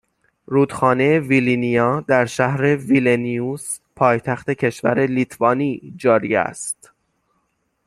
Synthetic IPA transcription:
ɾuːd̪̥xɒːnejevilinijɒːd̪æɾʃæhɾe̞vilenius | pʰɒːjt̪ʰæxt̪e̞cʰe̞ʃvæ̰ɾe̞lit̪ʰvɒːniːd͡ʒɒːɾiæ̰st̪

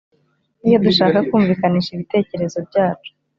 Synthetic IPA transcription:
nijo̞duʃaːkakuːɱviːkaniːʃiβite̞ːce̞ɾe̞zo̞bɟaːt͡ʃo̥

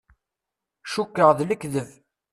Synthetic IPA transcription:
ʃukːəʁðləkːðəv

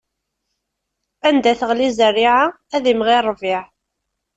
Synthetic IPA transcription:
ænd̪æθəʁlizərːiʕa | æðimʁirˤːvɪʕ

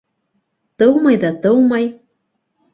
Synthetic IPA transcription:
t̪əwmajðat̪əwmaj

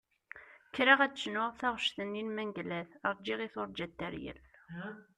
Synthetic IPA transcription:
kːɾaʁæt͡sːʃnʊʁθæʁʃθənːinmæŋɡlæθəɾˤd͡ʒiʁiθoɾˤd͡ʒæt̪ːæɾjə̰l

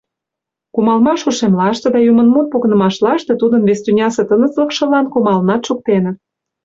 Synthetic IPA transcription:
kumɑlmɑʃuʃemlɑʃt̪ĕd̪ɑjumə̆nmot̪̚poɣnə̆mɑʃlɑʃt̪ĕt̪ud̪ənβest̪ynʲɑset̪ənət͡slə̆kʃɤ̆lɑnkumɑlnɑt̪ʃuk̚t̪enɤ̆

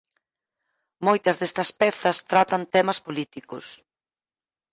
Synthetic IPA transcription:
mojt̪ɐzðest̪ɐspɛθɐst̪ɾat̪ɐnt̪ɛmɐspolit̪ikʊs

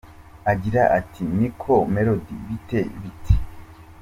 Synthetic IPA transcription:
aɡiɾaʔatʰinikʰomeɾodḭβiteβitʰi̥

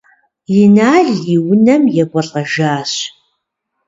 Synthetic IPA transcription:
jɪnaːɮjiwʊnɐmjɛɡʷɔɬʼɐʒaːɕ

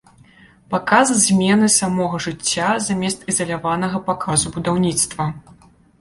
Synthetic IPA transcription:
pakazzʲmʲɛnɨsamɔɣɐʐɨt͡sʲːazamʲɛst̪izɐlʲavanɐɣɐpakʰazubud̪awnʲit̪st̪vɐ

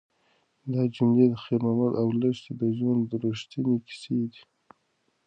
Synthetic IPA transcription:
d̪ɑd͡ʒumled̪əxeɾmamad̪awləʃt̪ed̪əʒwand̪d̪əɾuʃt̪ineki̥sed̪i̥

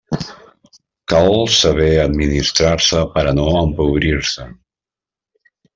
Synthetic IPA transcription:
kalsəβɛəd̪minist̪ɾaɾsəpəɾənoəmpuβɾiɾsə

